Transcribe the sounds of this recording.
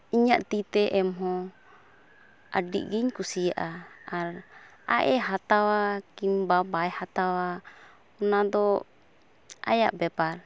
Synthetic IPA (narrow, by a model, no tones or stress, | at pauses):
iɲaʔt̪it̪ɛʔɛmɦɔ | a̰ɖḭʔɡiɲkusijaʔaaɾ | a̰ʔɛɦat̪awakimbabajhat̪awa | ɔnad̪ɔ | a̰ja̰ʔbɛpaɾ